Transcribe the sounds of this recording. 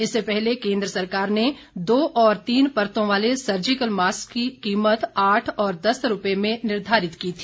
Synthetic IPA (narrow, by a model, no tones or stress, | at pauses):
ɪsːepɛɦlekẽːnd̪ɾəsɐɾkaːɾne | d̪oːʔɔːɾt̪iːnpɐɾt̪õʋaːlesɐɾd͡ʒɪkəlmaːskːikiːmət̪aːʈʰɔːɾd̪ɐsɾʊpemẽnɪɾd̪ʱaːɾɪt̪kiːt̪ʰiː